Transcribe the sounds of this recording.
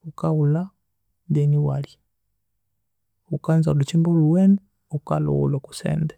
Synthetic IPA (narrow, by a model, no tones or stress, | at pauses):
ukaula | dɛniwali | ukanzalut͡ʃimbuluwɛnɛ | ukalɔ̰wṵlɔku̥sɛ̰ndɛ